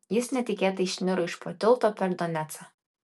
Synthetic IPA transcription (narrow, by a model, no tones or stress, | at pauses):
jɪsnʲɛt̪ʲɪkʲeːt̪ɐɪʃʲnʲɪɾʊɪʃpot̪ʲɪlˠt̪oːpʲɛɾd̪ɔnʲæt̪sɐ